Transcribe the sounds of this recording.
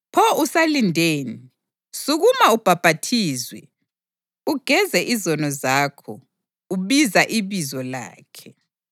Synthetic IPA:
pʰɔusalindʱeːni | suɣumaub̥ʱab̥ʱatʰiːzwɛ̰ | uɡ̥ʱɛzɛʔizɔnɔzaːkʰɔ | uβizaʔiβizɔla̰ːkʰɛ

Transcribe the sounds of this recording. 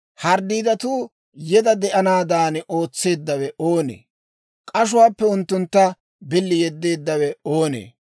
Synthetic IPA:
hɐɾd̪iːd̪ɐt̪uː | jɛd̪ɐd̪ɛʔɐnaːd̪aːno̞ːt͡sːe̞ːd̪ːɐwɛʔoːnḛː | kʼɐʃ̬ʊwaːpːɛʊnt̪ːʊnt̪ːɐ | bɪlːɪjɛd̪ːe̞ːd̪ːɐwɛoːnḛː

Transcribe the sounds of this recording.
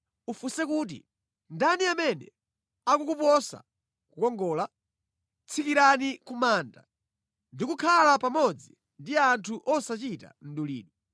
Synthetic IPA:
ufusɛkuːt̬ḭ | ndaniamɛnɛ̰ | akukupɔsa̰ | kukɔŋɡɔːla | t͡sʰikiɾanikumaːnda̰ | ndikukʰalapamɔd͡zi | ndiantʰuʔɔsat͡ʃita̰n̩ɗulḭːɗu

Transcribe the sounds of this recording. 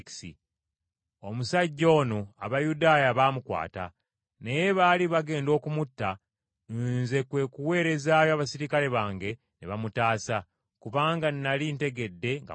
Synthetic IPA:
ksḭ | o̞musaɟːo̞ːnoa̰βajudaːjaβamukwa̰ːta̰ | ne̞je̞βaliβaɡe̞ːndo̞ːkumutːa | nunze̞kwe̞kuwe̞ːɾe̞zaːjoaβasiɾikale̞βaːŋɡe̞ | neβamutaːsa | kuβaːŋɡanːalinte̞ɡe̞dːe̞ŋɡa̰

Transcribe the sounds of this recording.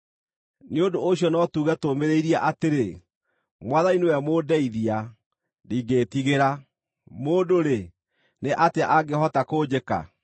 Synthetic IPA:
neondooɕjɔnɔtuːɣɛtomeɾeiɾiaʔateɾe | mwaðainewɛmoːdɛiðia | diːɡeːtiɣeɾa | moːdoɾe | neʔateaʔaɡehɔtakod͡ʑeka̰

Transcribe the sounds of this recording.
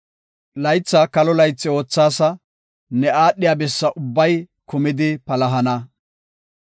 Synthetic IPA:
lɐjt͡sːɐkɐlɔlɐjt͡sːɪo̞ːt͡sːaːsɐ | nɛaːɗːɪjaːbɛsːɐʔʊbːɐj | kʊmɪd̪ɪpɐlɐɦɐnɐ

